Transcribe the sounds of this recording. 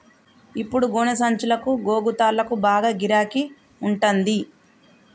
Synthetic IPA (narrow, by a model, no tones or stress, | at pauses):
ipːuɽuɡoːnɐsɐɲt͡ʃulɐkuɡoːɡut̪aːlːɐkubaːɡaːɡiɾaːki | uɳʈond̪i